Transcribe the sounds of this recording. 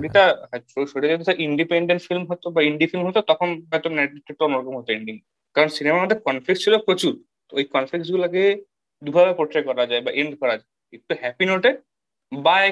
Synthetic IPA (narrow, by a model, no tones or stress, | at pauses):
ʃoɽit̪aɦɛʃoʃoɽiaet̪eaʔiɳɖipeɳɖeɳʈfilmɦot̪obaiɳɖifilmɦot̪ot̪ɔkʰonbɔt̪onɛɖ̚biʈʈːek̚ʈ̪oonoɾɔkomɦot̪oeɳɖiŋ | kaɾonsinemaɾmod̪ʱeɾkɔnflik̚st͡ɕʰilokɾot͡ɕuɾ | ojkɔnfliksɡuloaɡe | d̪ubʱabepɾoʈ̪ɾekɔɾad͡ʑaebaʔeɳɖkɔɾad͡ʑaekit̪ːuhɛpinoʈe | bae